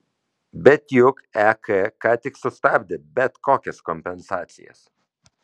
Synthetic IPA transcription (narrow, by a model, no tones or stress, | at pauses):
bɛt̪jukɛkʰekat̪iksɔst̪abd̪əbɛt̪kʰɔkeskɔmpɛnsat͡sḭḛs